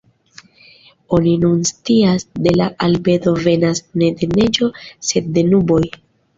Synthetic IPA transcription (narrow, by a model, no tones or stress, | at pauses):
o̞ninunstiasde̞laʔalbe̞do̞ve̞nasne̞de̞ne̞d͡ʒo̞se̞d̚ːe̞nubo̞j